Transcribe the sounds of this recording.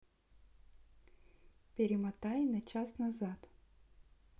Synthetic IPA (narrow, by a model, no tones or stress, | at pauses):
pʲɪɾʲɪmɐt̪ajnɐt͡ɕasnɐzat̪